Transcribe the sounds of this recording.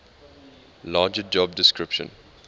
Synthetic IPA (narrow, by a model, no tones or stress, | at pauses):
laːd͡ʒəd͡ʒɔb̚dɪskɹɪpʃə̰̃n